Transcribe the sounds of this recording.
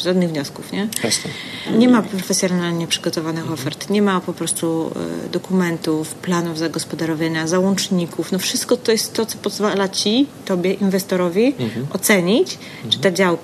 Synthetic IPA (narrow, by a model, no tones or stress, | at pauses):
ʐad̪nɘɣvɲɔskufɲɛɛɲɛmapɾɔfɛsjɔnalɲɛpʂɘɡɔt̪ɔvanɘxɔfɛɾt̪ɲɛmapɔpɾɔst̪ṵd̪ɔkumɛnt̪ufplanuvzaɡɔspɔd̪aɾɔvjaɲazawɔnt͡ʂɲikʰufnɔfʂɘst̪̚kɔt̪ɔjɛst̪ːɔt̪sɔpɔzvalat͡ɕit̪ɔbʲjɛʔinvɛst̪ɔɾɔvʲiʔɔt̪sɛɲit͡ɕ | ʐɛt̪ad͡ʑawk